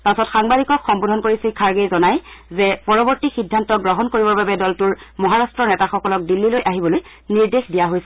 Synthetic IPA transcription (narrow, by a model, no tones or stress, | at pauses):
pasɔtxaŋbadikɔkxɔmbodʱɔnkoɹisikʰaɹɡejzɔnajzɛpɔɹɔbɔɹtixidʱːantɔɡɹɔɦɔnkoɹibɔbabɛdɔltʊɹmɔɦaɹastɹɔnɛtaxɔkɔlɔk̚dilːilojʔaɦibɔloj | niɹdexdijaɦojsɛ